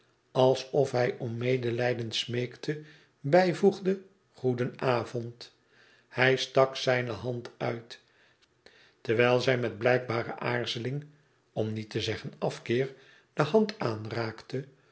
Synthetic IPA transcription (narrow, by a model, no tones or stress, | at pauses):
ɑlˠsɔfɦɛjʔɔmːejdəlɛjdənsmejktʰə | bɛjvuχdə | χudənaːvɔnt | hɛjstɑksɛjnəɦɑntœɥt | təʁʋɛjlˠzɛjmɛd̚blɛjk̚baːɾə̰ʔaːɹzəlɪŋ | ɔmnitəzɛχənɑfkɪːɹ | d̥əhɑntaːnraːktə